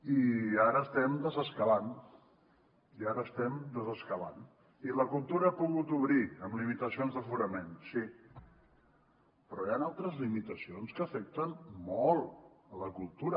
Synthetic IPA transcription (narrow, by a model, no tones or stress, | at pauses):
iaɾəːst̪ɛmd̪əzəskəlan | iaɾəːst̪ɛmd̪əzəskəla̰n | iləkulˠt̪uɾəapuɣut̪uβɾiəmlimit̪əsionzðəfuɾəmensi | pɾɔjanalˠt̪ɾəzlimit̪əsionskəfɛk̚t̪ənmɔlˠələkulˠt̪uɾə